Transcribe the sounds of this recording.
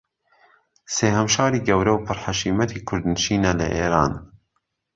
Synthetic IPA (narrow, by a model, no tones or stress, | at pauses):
seːhɐmʃɑːɾiːɡɐwɾɐwpʰɨɾħaʃiːmɐt̪ʰiːkʰʊɾd̪nʃiːnɐlɐ̰ʔeːɾaːn